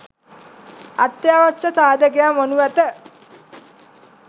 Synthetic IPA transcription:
at̪ːjaːʋat͡ʃət̪aːd̪əkejamːonuʋæt̪ə

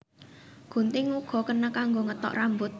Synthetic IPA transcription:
ɡ̥ṳnt̪ɪŋuɡ̥ɔ̤kənakaŋɡoŋət̪ɔ̰ʔrambʊt̪̚

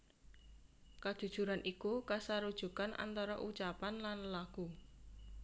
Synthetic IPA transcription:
kad̥ʒ̥ṳd̥ʒ̥ṳɾanʔikukasaɾud̥ʒ̥ṳkanʔa̰nt̪ɔɾɔʔut͡ʃapanlanlaku

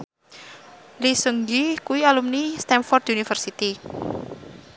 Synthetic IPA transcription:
lisuŋɡikuwialumnist̪ɛmfɔrd̪unifərsit̪i

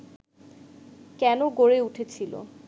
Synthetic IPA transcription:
kɛnoɡoɹeuʈʰet͡ɕʰilo̰

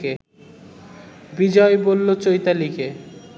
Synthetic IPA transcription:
ke | bid͡ʑɔebolːot͡ɕojt̪alike

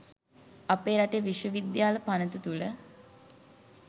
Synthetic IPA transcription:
apeːɾaʈejʋiʃjəʋid̪jaːləpanət̪ət̪ulə

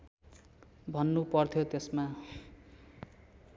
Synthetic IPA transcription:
bʱʌnːupʌrt̪ʰjot̪esma

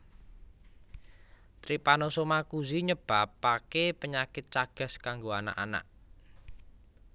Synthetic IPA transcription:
t̪ɾipanosomakuziɲəb̥a̤pːakepəɲakɪt̪̚t͡ʃaɡ̥ə̤skaŋɡoana̰ʔa̰na̰ʔ

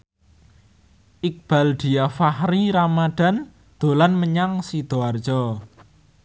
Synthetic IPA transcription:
ʔik̚b̥a̤ld̪̥i̤afahɾiɾamaɖ̪̥a̤n | d̪̥o̤lanməɲaŋsid̪̥oar̥ʒ̥ɔ

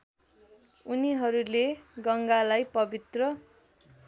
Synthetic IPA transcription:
uniɦʌɾuleɡʌŋɡalajpʌbit̪rʌ

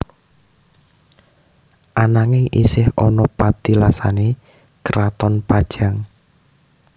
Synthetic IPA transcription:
ʔanaŋɪŋʔḭsɪhɔnɔpat̪ilasa̰ne | kəɾat̪ɔnpad̥ʒ̥a̤ŋ

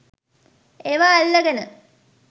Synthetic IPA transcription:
eʋaːlːɐɡənə

